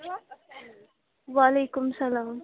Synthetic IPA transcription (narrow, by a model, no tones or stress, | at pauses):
ʋaleːkʊmsɐlaːm